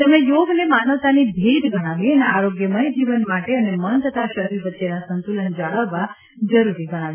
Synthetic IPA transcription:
t̪əmejoɡnemanəʋt̪anibʱid̪ɡʱəɽ̃aʋiəneaɾoɡjəməjd͡ʒiʋənmaʈeənemənt̪ʰət̪aʃəɦɾiɾʋətːʃenasənt̪ulənd͡ʒaɭəʋʋa | d͡ʒəɾuɾiɡəɽ̃ãʋj

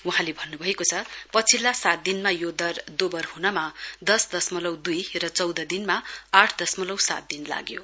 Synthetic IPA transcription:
wuɦãlebʱʌnːubʱʌekot͡sʰʌpʌt͡sʰilːasat̪̚d̪inmajod̪ʌrd̪obʌrhunʌmad̪ʌsd̪ʌsmʌlʌwd̪ujrʌt͡sʌwd̪ʌd̪inmaaʈʰd̪ʌsmʌlʌwsa̰t̪̚d̪inla̰ɡjo

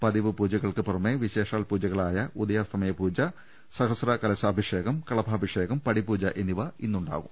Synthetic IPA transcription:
pɐðiʋɨpuːd͡ʑɐɣɐɭkɨpurɐmːeʋiɕe̞ːʂaːlpuːd͡ʑɐɣɐɭaːjɐud̪ɐjaːst̪ʰɐmɐjɐpuːd͡ʑɐ | sɐɣɐsrɐkɐlɐsɐːbʱiʂe̞ːɣɐmkɐɭɐbʱaːbʱiʂeːɣɐmpɐɽipuːd͡ʑɐʔeniʋɐinːuɳɖa̰ːɣum

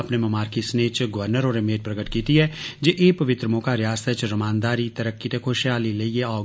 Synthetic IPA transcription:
ɐpnemɐmaːɾkisneːt͡ʃɡɐʋəɾnəɾɔːɾemeːd̪̚pɾɐɡəʈ̪kiːt̪iɦɛd͡ʒeːʔeːpɐʋɪt̪ɾəmoːkaɾɪjaːst̪ʰət͡ʃɾɐmãːnd̪aːɾit̪ɐɾəkːit̪ekʰoːʃjaːlileijeɔː

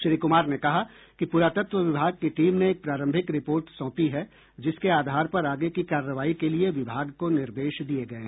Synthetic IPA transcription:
ʃɾiːkʊmaːɾnekɐɦa | kipuɾaːt̪ət̪ʋəʋɪbʱaːɡ̚keʈiːmnẽːk̚pɾaːɾə̃mbʱɪkɾɪpoːɾʈsɔ̃ːpiɦɛ | d͡ʒɪskeaːd̪ʱaːɾpɐɾaːɡekikaːɾːəʋaːikelieʋɪbʱaːɡkonɪɾd̪eːʃd̪ieɡɐẽ

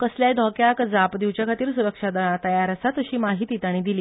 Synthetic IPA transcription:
kəsljajd̪ʱɔkjakd͡zapd̪iʋt͡ɕjakʰat̪iːɾsuɾəkʂad̪əɭ̃at̪əjaɾasat̪əɕiːmaɦit̪it̪aɽ̃id̪iliː

